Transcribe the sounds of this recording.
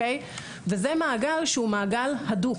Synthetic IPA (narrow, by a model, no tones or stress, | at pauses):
ej | vezemaːɡalʃeumaːɡalhad̪u